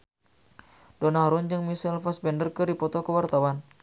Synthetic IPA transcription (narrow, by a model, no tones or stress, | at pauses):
d̥onaɾund͡ʒɨŋmisɛlfasbɛndərkəɾipɔt̪ɔkəwart̪awan